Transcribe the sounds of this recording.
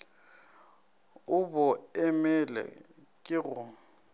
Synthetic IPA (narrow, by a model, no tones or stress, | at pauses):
ʊbʊɛmɛlɛ̰kʼɪɣʊːm̩